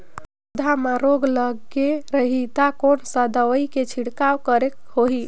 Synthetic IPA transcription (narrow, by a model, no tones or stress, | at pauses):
ud̪ʱamaɾoɡləɡeɾəɦit̪akonsəd̪əʋəjket͡ʃʰiɽkawkəɾekhoɦi